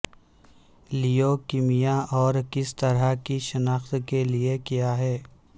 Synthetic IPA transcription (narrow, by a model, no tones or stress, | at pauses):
lijokimijaʔɔːɾkɪst̪ɐɾakiʃɐnaːxt̪keliekijaɦɛː